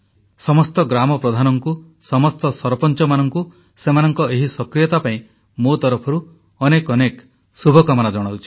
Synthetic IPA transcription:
sɔmɔst̪ɔɡɾamɔpɾɔd̪ʱanɔŋku | sɔmɔst̪ɔsɔɾpɔnt͡ʃɔmanɔŋku | semanɔŋkɔeɦisɔkɾijɔt̪apaĩ | mot̪ɔɾɔpʰɔɾu | ɔnekɔnek | subʱɔkɔmanad͡ʒɔɽ̃awt͡ʃʰi̥

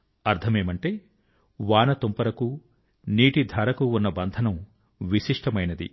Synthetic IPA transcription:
ɐɾt̪ʰɐmeːmɐɳʈeː | ʋaːnɐt̪ompɐɾɐku | niːʈid̪ʱɐːɾɐkuːnːɐbɐnd̪ʱɐnɐm | ʋiʃiʂʈɐmɐjnɐd̪ḭ

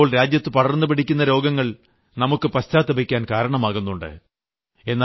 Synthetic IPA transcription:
oːɭɾaːd͡ʑjɐt̪ːɨpɐɽɐrnːupiʈʰikʲːunːɐɾo̞ːɡɐŋːɐɭ | nɐmukːɨpɐɕtaːt̪ːɐbikʲːaːnkaːɾɐɳɐmaːɣunːuɳɖɨ̰ | e̞nːaː

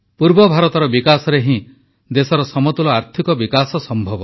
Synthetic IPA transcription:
puɾbɔbʱaɾɔt̪ɔɾɔbikasɔɾeɦĩ | d̪esɔɾɔsɔmɔt̪ulɔaɾt̪ʰikɔbikasɔsɔmbʱɔbɔ

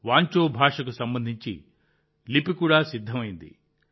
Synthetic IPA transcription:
ʋaːɲt͡ʃoːbʱaːʂɐkusɐmbɐnd̪ʱiɲt͡ʃḭ | lipikuːɽaːsid̪ʱːɐmɐjind̪ḭ

